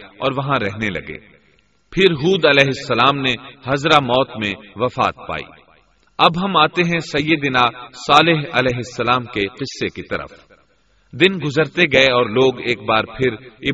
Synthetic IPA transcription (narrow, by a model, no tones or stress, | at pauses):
ɔ̰ːɾʋɐɦãɾɛɦnelɐ̰ɡḛː | pʰɪɾɦuːd̪ɐlɛːɦɪsːɐlaːmnehɐzɾamɔːt̪mẽʋɐfa̰ːt̪̚pa̰ːḭː | ɐbɦɐmaːt̪eɦɛ̃sɐjːəd̪ɪnasaːlɪɦɐlɛːɦɪsːɐlaːmkeqɪsːekit̪ɐ̰ɾə̰f | d̪ɪnɡʊzəɾt̪eɡɐeɔːɾloːɡeːk̚baːɾpʰɪɾɪ